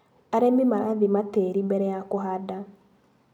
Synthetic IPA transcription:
aɾemimaɾaðimateɾimbɛɾɛjakoɦada

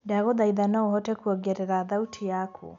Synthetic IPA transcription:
daɣoðaiðanaohɔtɛkuɔɡeɾeɾaðautʰijakʰṵ

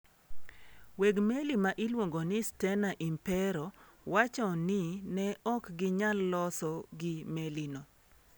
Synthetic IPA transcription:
wɛɡmelimaʔilwoŋɡonɪstɛnaʔimpɛɾɔwat͡ʃɔnɪnɛɔkɡɪɲalːɔsɔɡɪmelino

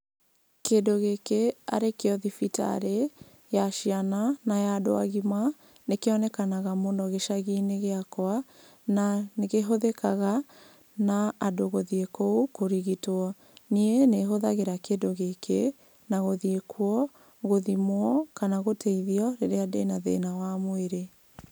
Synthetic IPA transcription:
kedoɣekea̰ɾekeɔðifita̰ɾe | jaʃiananajado̰a̰ɣima | nekeɔnɛkanaɣamondɔɣeʃaɣineɣeakwa | naneɣeɦoðɛkaɣa | naːdoɣoðiekoukoɾiɣitwɔ | nieneɦoðaɣeɾakedoɣekʰḛ | naɣoðiekʰwɔ | ɣoðimwɔkanaɣotʰɛiðiɔɾeɾeadenaðḛnawamweɾe

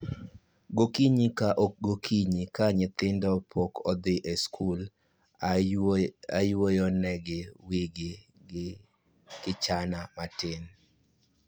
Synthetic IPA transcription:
ɡokiɲikaʔoɡokʰiɲikaɲɪt̪ɪndɔpʰɔkʰɔd̪ɪʔeskʰul | ajwojɔnɛɡɪwiɡɪ | ɪ | kɪt͡ʃanamatɪn

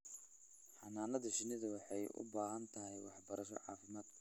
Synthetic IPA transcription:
ħɑnaːnɐðɐʃɪnɪðɐwɑħɑjʔʊ̰baːɦɐnt̪ʰɐɦɛjwɑ̰ħbɐɾʔɐʃɔ̰ʕɑ̰ːfɪmaːd̪

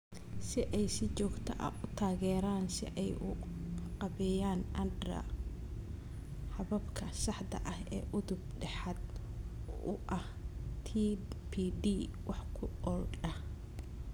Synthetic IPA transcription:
sɪʔɛjsɪt͡ʃɔːɡt̪ʰɐ̰ʔɐ̰ʊt̪ʰaːɣɛːɾaːnsɪ̰ʔɛjʊqɑβɛjaːnʔɐndrɐ̰ | ħɑβɐbkʰɐsɑħd̪ɐ̰ʔɐhɛːʔʊðʊb̚ɖɛħad̪̚ | ʊ̰ʔɐh | t̪ʰipʰiːɖiːwɑħkʰʊɔlɖɐh

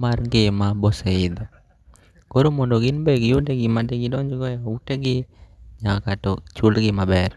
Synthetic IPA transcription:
marŋɡɪmabɔseɪd̪ɔ | koɾomɔndɔɡɪnbeɡɪuteɡɪmadeɡɪdɔɲd͡ʒɡɔjauteɡɪɲakakatɔt͡ʃulɡɪmabɛr

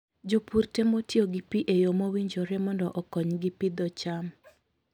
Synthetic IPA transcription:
d͡ʒopurtemotjoɡipiʔejomowiɲd͡ʒoɾɛmɔndɔʔɔkɔɲɡipid̪ɔt͡ʃam

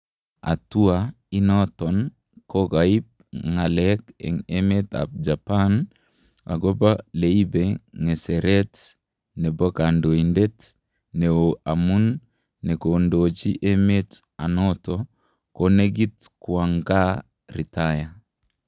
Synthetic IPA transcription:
a̰tua | inɔtɔn | koɡaip̚ŋalɛkɛ̰ŋemeta̰b̚d͡ʒapan | a̰ɡobaleibeŋɛsɛɾɛt | nɛbɔkandoindet | neoamunː | ɛkondot͡ʃiʔemet | anɔtɔ | koneɡitkwaŋɡa | ɾitaja

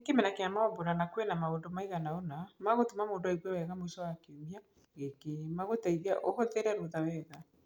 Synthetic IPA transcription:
kemɛnakeamaɔboɾanakwenamaondomaiɣanaɔnamaɣotomamoːndoiɣwɛwɛɣamoisɔwakeomia | ɣekemaɣotaiðiaʔohɔteɾɛɾoðawɛða

